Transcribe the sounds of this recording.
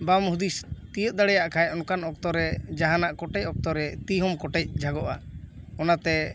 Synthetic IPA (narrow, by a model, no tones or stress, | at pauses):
bamɦud̪ist̪ijət̪̚ˀd̪aɽɛjaʔkʰajɔnkanɔkt̪ɔɾɛd͡ʒaɦanaʔkɔʈɛc̚ɔk̚t̪ɔɾɛt̪iɦɔmkɔʈɛc̚d͡ʒʱaɡɔʔaɔnat̪ɛ